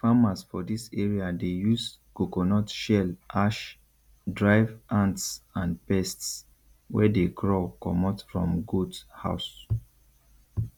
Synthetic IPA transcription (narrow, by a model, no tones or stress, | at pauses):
famasfɔdisɛɹiadejusɡ̥okonɔtʃɛlʔaʃ | dɹaɪvʔãntsãnpɛsts | wɛ̰deɡɹɔkɔ̰mɔtfɹɔ̰̃mɡudha̰ʊs